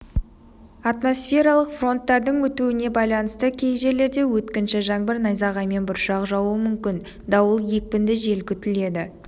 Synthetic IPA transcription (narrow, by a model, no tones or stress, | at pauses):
ɑt̪mo̞sfʲe̞ɾɑlˠəqfro̞nt̪ːɑɾd̪əɴwɵt̪uwɪne̞bɑjlˠɑnəst̪əkʲʰe̞jʒe̞ɾle̞ɾd̪e̞wɵt̪kʲɪnʃɪʒɑɴbɪɾnɑjzɑʁɑjme̞nbʊɾʃɑqʒɑwəmʏmkʲɪn | d̪ɑwəlˠje̞k̚pɪnd̪ɪʒe̞lkʲʏt̪ɪle̞d̪ɪ